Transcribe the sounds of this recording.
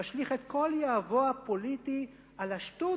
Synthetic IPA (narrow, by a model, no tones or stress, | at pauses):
aʃliχet̪ko̞ljaːvoapolit̪i | alaʃtu